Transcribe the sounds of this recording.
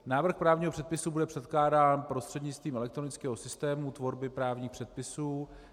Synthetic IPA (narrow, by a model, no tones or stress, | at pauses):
naːvr̩xpɾaːvɲiːɦopr̥ɛt̪̚pɪsubudɛpr̥ɛt̪klaːdaːnpɾo̞st̪r̥ɛdɲɪt͡st̪viːmɛlɛkt̪ɾonɪt͡skɛːɦo̞sɪst̪ɛːmut̪vo̞ɾbɪpɾaːvɲiːxpr̝̥ɛt̪̚pɪsuː